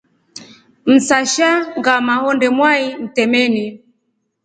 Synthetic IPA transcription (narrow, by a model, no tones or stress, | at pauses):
m̩saʃaŋɡamahɔndɛmwaim̩tɛmɛni